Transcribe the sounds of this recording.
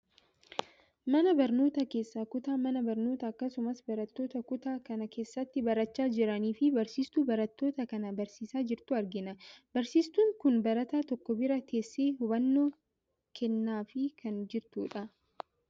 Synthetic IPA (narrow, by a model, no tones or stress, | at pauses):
mɐnɐbɐɾno̞ːt̪ɐke̞ːsːaːkʊt̪aːmɐnɐbɐɾno̞ːt̪ɐːkːɐsʊmɐsbɐɾɐt̪ːo̞ːt̪ɐkʊt̪aːkɐnɐke̞ːsːɐt̪ːɪbɐɾɐt͡ʃːaːd͡ʒɪɾɐniːfɪbɐɾsiːst̪uːbɐɾɐt̪ːo̞ːt̪ɐkɐnɐbɐɾsiːsaːd͡ʒɪɾt̪ʊɐɾɡɪnɐbɐɾsiːst̪uːŋkʊnbɐɾɐt̪aːt̪ɔkːɔbɪɾɐt̪e̞ːsːeːhʊβɐnːoː | kʰɛnːaːfɪkʰɐnd͡ʒɪɾt̪uːᶑɐ